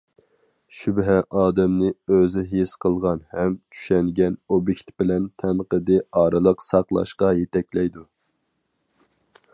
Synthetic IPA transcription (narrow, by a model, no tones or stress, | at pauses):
ʃybɦɛʔɑːd̪ɛmnɪøzɪɦisqʰəlˠʁɑnhɛmt͡ʃ̪ʰy̥ʃɛŋɡʲɛnobjekʲt̪bɪlɛnt̪ʰɛmqəd̪ɨɑːɾɨlˠəqsɑqlˠɑ̰ʃqɑjet̪ʰɛkʲlɛjd̪u